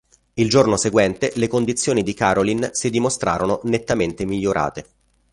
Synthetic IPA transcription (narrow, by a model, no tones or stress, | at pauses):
ild͡ʒornoseɡwɛnt̪elekond̪it̪sːjoːnid̪ikaːɾolinsid̪imost̪ɾa̰ːɾononet̪ːament̪emiʎːoɾʔa̰ːt̪e